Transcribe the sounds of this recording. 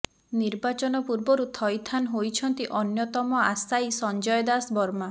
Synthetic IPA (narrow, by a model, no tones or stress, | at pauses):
niɾbat͡ʃɔnɔpuɾbɔɾut̪ʰɔjt̪ʰanɦojt͡ʃʰɔnt̪iʔɔnjɔt̪ɔmɔasajsɔnd͡ʒɔjɔd̪asbɔɾma